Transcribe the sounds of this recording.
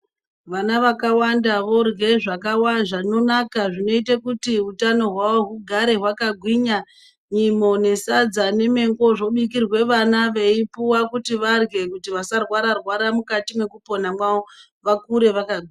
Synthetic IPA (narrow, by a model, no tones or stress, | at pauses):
ʋanaʋakawandaʋo̞rɡe̞ʐakawaʐano̞nakaʐino̞itekutiutano̞ɦwaʋoɦuɡʱaɾe̞ɦwakaɡʱwiɲa | ɲimo̞ne̞sad͡zane̞me̞ŋɡo̞ʐo̞ɓikirwe̞ʋanaʋe̞ipuwakutiʋarɡe̞kutiʋasarwaɾarwaɾamukatimwe̞kupo̞namwao | ʋakuɾe̞ʋakaɡʱwiɲa